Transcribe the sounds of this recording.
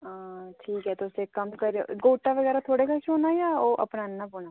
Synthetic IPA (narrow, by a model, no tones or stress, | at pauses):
aːʈʰiːkɦɛːt̪oʊsekəmkəɾeɡoːʈaʋəɣɛːɾat̪ʰoːɽeːkaʃoːnaːjaːoːʔə̰pnaːnnãpoːna